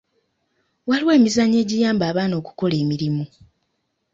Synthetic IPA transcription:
waliwe̞ːmizaɲe̞ːɟijaːmbaːβaːno̞ːku̥ko̞le̞ːmiɾimu

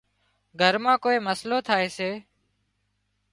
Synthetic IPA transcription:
ɡʱəɾmãːkoːeːməsloːt̪ʰaːeːseː

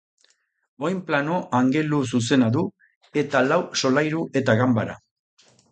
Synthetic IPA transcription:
o̞jmplano̞ʔaŋɡe̞lus̬us̬e̞naðu | e̞t̪alawso̞lajɾuʔe̞t̪aɣambaɾa̰

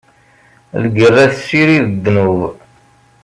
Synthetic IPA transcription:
lɡərːæθəsiɾiðəd̪ːnuv

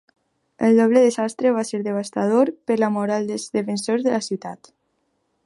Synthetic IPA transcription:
əlˠd̪ɔβ̞leðezast̪ɾeβaseɾðeβ̞ast̪að̞oɾpəɾlamoɾalˠd̪əzðefensoɾzðelasiwt̪at̪

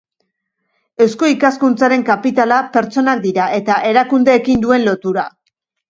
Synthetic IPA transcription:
e̞wsko̞ikaskunt͡saɾe̞ŋkapit̪alape̞ɾt͡so̞nak̚d̪iɾaʔe̞t̪aʔe̞ɾakund̪e̞ːkind̪ue̞nlo̞t̪uɾa

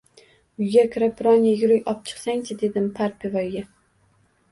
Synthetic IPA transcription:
ʊjɡʲakʲʰɾabɾɒnjajʊɾɪjɒp̚t͡ʃʰɨ̥qsaŋt͡ʃʰɪd̪e̞d̪ɪmpʰaɾpʰevajɡʲa

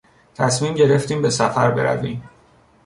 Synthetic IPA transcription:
t̪ʰæsmiːmɟe̞ɾe̞ft̪iːmbe̞sæfæɾbe̞̰ɾæ̰viːm

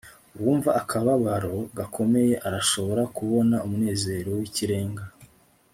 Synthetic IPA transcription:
uβwuːɱvaʔːkʰaβaβaɾo̞ɡakʰo̞me̞je̞ʔaɾaʃo̞βo̞ɾakuβo̞naumune̞ːze̞ːɾo̞wiciɾe̞ːŋɡa

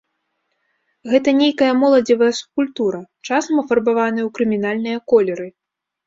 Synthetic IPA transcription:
ɣɛt̪ɐnʲejkɐjɐmɔlˠɐd͡zʲivɐjɐsu̥p̚kulʲt̪uɾɐt͡ʂasɐmɐfɐrbavanɨjɐwkɾɨmʲinalʲnɨjɐkɔlʲɛɾɨ

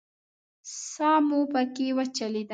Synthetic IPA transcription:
sɑmupəkewət͡ʃalid̪

